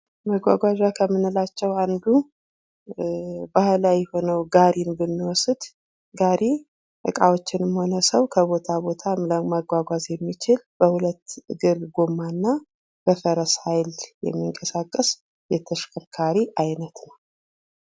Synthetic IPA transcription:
məɡʷa̰ɡʷaʒakʰəmːɨnːɨlat͡ʃːɛwand̪u | bahlajɛho̞nəwɡaɾinbɨnːiwɔsɨd̪̥ | ɡaɾi | ʔɨkʼawot͡ʃːɪnɨmho̞nəsəwkʰəβo̞t̪ʰabo̞t̪ʰamləmaɡʷaɡʷazjɛmːit͡ʃɪlb̥əhulət̪ːɨɡɨɾɡomanːa | b̥əfəɾəshajljɛ̰mːiŋkʼəsakʼːəs | jɛt̪ʰəʃkʰəɾkʰaɾiʔajnət̪nəw

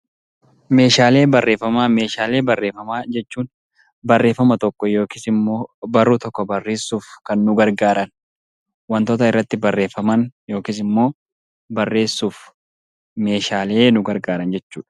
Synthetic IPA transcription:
me̞ːʃaːle̞ːbɐrːe̞ːfːɐmaːme̞ːʃaːle̞ːbɐrːe̞ːfɐmaːd͡ʒɛt͡ʃːuːn | bɐrːe̞ːfːɐmɐt̪ɔkːɔjo̞ːkɪsɪmːoːbɐrːut̪ɔkːɔbɐrːe̞ːsuːfkɐnːʊɡɐɾɡaːɾɐn | wɐnt̪o̞ːt̪ɐɪrːɐt̪ːɪbɐrːe̞ːfːɐmɐnjo̞ːkis̬ɪmːo̞ː | bɐrːe̞ːsːuːf | me̞ːʃaːle̞ːnʊɡɐɾɡaːɾɐnd͡ʒɛt͡ʃːṵːᶑɐ̥

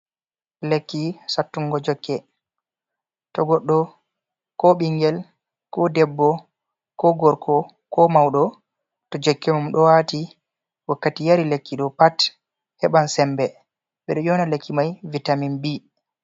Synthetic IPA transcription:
lekːisatːuŋɡɔd͡ʒɔkːɛ | tɔɡɔɗːɔ | kɔɓiŋɡɛl | kɔdɛbːɔ | kɔɡɔɾkʰɔ | kɔmawɗɔ | tɔd͡ʒɔkːɛmumɗɔwati | wakːatijaɾilekːiɗɔpat | hɛɓansɛmbɛ | ɓɛɗɔjɔnalekʰːimajvitaminbi

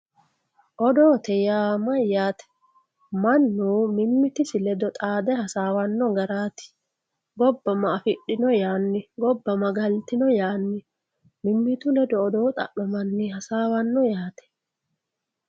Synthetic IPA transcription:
ʔɔd̪oːt̪ɛjaːmɐjːaːt̪ɛ̥ | mɐnːuːmɪmːɪt̪ɪsɪlɛd̪ɔt̪ʼaːd̪ɛhɐsaːwɐnːɔɡɐɾaːt̪ɪ̥ | ɡɔbːɐmɐːfɪɗːɪnɔjaːnːɪɡɔbːɐmɐɡɐlt̪ɪnɔjaːnːɪ | mɪmːɪt̪ʊlɛd̪ɔːd̪oːt̪ʼɐ̰ʔɔmɐnːɪhɐsaːwɐnːɔjaːt̪ɛ̥

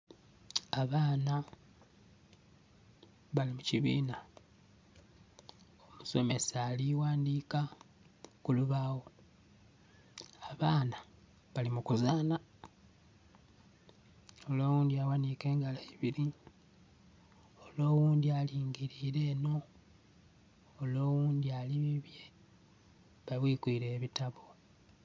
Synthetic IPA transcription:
aβaːna | βalimuciβḭːna | omuso̞me̞saːliwaːndiːka | kuluβaːwo̞ | aβaːna | βalimukuzaːna | o̞lo̞ːwuːnd̪iawanike̞ːŋɡalaiβiɾi | olo̞ːwuːnd̪ialiːŋɡiɾiːɾe̞ːno̞ | lo̞ːwuːnd̪ialiβiβje̞ | βaβwiːkwiːɾe̞ːβitaβo̞

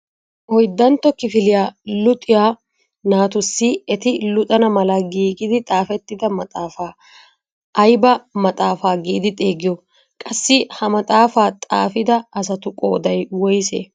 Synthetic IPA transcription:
ʔɔjd̪ːɐnt̪ːɔkɪfɪlɪjaːlʊt̪ʼːɪjaː | naːt̪ʊsːɪɛt̪ɪlʊt̪ʼɐnɐmɐlɐɡiːɡɪd̪ɪt̪ʼaːfɛt̪ːɪd̪ɐmɐt̪ʼaːfaː | ɐjbɐmɐt̪ʼaːfaːɡiʔːd̪ɪt̪ʼeːɡɪjɔ | kʼɐsːɪhɐmɐt̪ʼaːfaːt̪ʼa̰ːfɪd̪ɐɐs̬ɐt̪ʊkʼo̰ːd̪ɐjwɔjsḛː

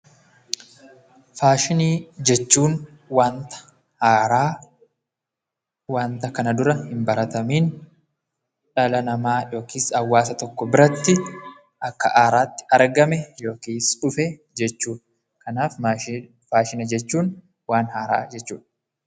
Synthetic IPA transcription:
faːʃɪniːd͡ʒɛt͡ʃːuːn | waːnt̪ɐ̥ | haːɾaː | waːnt̪ɐkɐnɐd̪ʊɾɐhɪmbɐɾɐt̪ɐmiːn | ᶑɐlɐnɐmaːjo̞ːkʰiːsɐwːaːsɐt̪ɔkːɔbɪɾɐt̪ːɪ | ʔɐkːɐʔaːɾaːt̪ːɪ̥ʔɐɾɡɐmɛjo̞ːkiːsᶑʊfeː | d͡ʒɛt͡ʃːuːᶑɐ | kɐnaːf | faːʃɪnɐd͡ʒɛt͡ʃːuːn | waːnhaːɾa̰ːd͡ʒɛt͡ʃːṵːᶑɐ̥

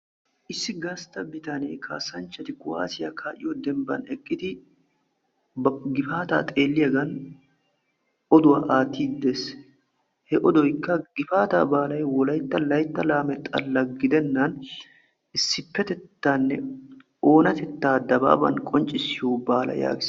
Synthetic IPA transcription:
ʔɪsːɪɡɐst̪ɐbɪt̪ɐnḛːkʰa̰ːsːɐnt͡ʃːɐt̪ɪkʊwa̰ːsɪjɐkʰaːʔɪjod̪ɛmbɐ̰nɛkʼːɪt̪ɪ | ɡɪfaːt̪a̰ːt̪ʼeːlːɪjɐɡɐn | ʔɔd̪ʊwaʔaːt̪ːiːd̪es | hɛʔɔd̪ɔjkːɐɡɪfaːt̪a̰ːbaːlɐjwɔlɐjt̪ːɐlɐjt̪ːɐlaːmɛt̪ʼːɐlːɐɡɪd̪ɛnːɐn | ɪsːɪpːɛt̪ɛt̪ːanːɛ | ʔo̞ːnɐt̪ɛt̪ːaːd̪ɐba̰ːbɐ̰nkʼɔnt͡ʃʼːɪsɪjoːbaːlɐ̰ja̰ːɡɪs

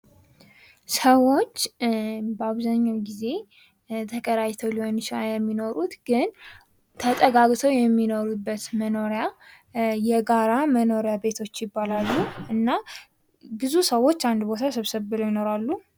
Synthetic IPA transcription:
səwo̞t͡ʃː | bəaβzaɲːawɡize̞ | t̪ʰəkʼəɾajt̪ʰəwliho̞nʃajɛmːino̞ɾut̪ɡɨn | t̪ʰət̪ʼəɡaɡt̪ʰəwjɛmːino̞ɾubːət̪məno̞ɾja | jɛɡaɾaməno̞ɾjabe̞t̪ʰo̞t͡ʃːjɪbːalalːuʔɨnːa | bɨzusəwo̞t͡ʃːand̪bo̞t̪ʰasəβsəβːɨlojɪno̞ɾalːu

